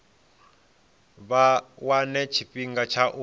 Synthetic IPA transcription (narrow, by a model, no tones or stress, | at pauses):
wanɛt͡ʃʰiɸiŋɡat͡ʃʰaʔu